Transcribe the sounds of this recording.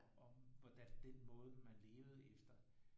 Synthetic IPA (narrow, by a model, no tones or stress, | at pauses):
ɒ̽mʋɒd̥ænd̥enmɔ̽ːð̞̩ˠəmænle̝ːʊð̞̩ˠefd̥ɐ